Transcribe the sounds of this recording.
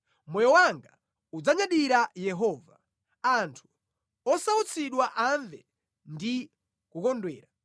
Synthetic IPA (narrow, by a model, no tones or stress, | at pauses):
mɔjɔwaŋɡa | ud͡zaɲaɗiɾajɛɦɔːva | antʰu̥ | ɔsaut͡sʰiɗwaʔaɱvɛ | ndi | kukɔndwɛːɾa